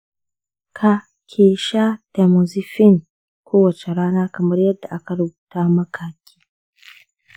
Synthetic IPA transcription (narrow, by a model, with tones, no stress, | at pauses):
kʰa˨ | kʲʰeː˨ʃa˦tɛ˨mo˨zi˦fi˦n | kʰoː˦wɐ˨t͡ʃɛ˨ɾaː˦naː˦kɐ˨mɐ˦ɾjɐ˦dːa˨ʔa˦kɐ˨ɾu˨buː˨taː˦mɐ˦kʰa˨kʲʰi̥ː˦